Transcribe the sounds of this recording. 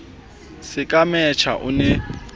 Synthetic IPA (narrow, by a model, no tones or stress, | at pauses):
sɪkʼamɛt͡ʃʰa̰ʔʊ̰nɛ